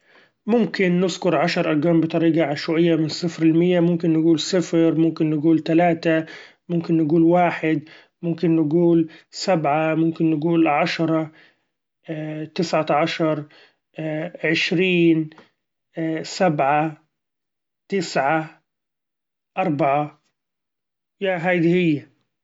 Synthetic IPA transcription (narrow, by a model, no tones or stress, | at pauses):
mʊmkɪnːɪzkʊɾʕaʃɑɾˤʔɑɾɡaːmbɪt̪ˤɑɾiːɡaʕaʃwaʔɪjːamɪnsːɪfɾɪlmɪjːamʊmkɪnːɪɡuːlsɪfɾmʊmkɪnːɪɡuːlt̪alaːt̪a | mʊmkɪnːɪɡuːlwaːħɪd̪ | mʊmkɪnːɪɡuːlsabʕamʊmkɪnːɪɡuːlʕaʃɑɾˤɑ | t̪ɪsʕaʕɑʃɑɾˤ | ʕɪʃɾiːn | sabʕa | t̪ɪsʕa | ʔɑɾˤbɑʕa | jaɦajd̪ihɪjːa